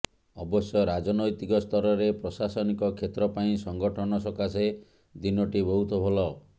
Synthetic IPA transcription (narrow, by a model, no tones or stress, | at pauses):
ɔbɔsjɔɾad͡ʒɔnɔjt̪ikɔst̪ʰɔɾɔɾepɾɔsasɔnikɔkʰet̪ɾɔpaĩsɔŋɡɔʈʰɔnɔsɔkase | d̪inɔʈibɔɦut̪ɔbʱɔlɔ